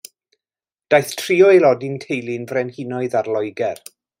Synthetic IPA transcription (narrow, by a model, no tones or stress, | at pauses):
d̥ajθtʰriːɔelˠɔdɪntʰejlˠɪnvrɛnhɪnɔɨðarlˠɔjɡɛr